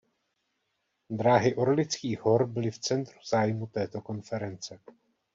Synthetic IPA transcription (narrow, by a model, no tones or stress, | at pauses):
d̪ɾaːɦɪʔoɾlɪt͡skiːɦo̞ɾbɪlɪft͡sɛnt̪ɾu̥z̥aːjmut̪ɛːt̪o̞ko̞nfɛɾɛnt͡sɛ